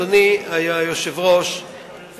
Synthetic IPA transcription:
oniajajoʃevʁo̞ʃ

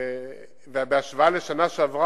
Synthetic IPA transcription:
vɛabeaʃvaːleʃanaʃavʁa

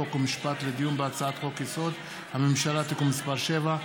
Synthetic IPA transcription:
okomiʃpat̪led̪ijumbeat͡saat̪χo̞kjeso̞d̪ | hamemʃalat̪ikumispaʁʃe̞va

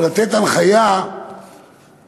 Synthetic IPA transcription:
lat̪et̪alχaja

